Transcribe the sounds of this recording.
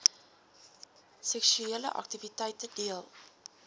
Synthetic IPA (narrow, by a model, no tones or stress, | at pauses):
sɛksyeələ̰ʔɐ̰k̚tivitɛjtədiəlˠ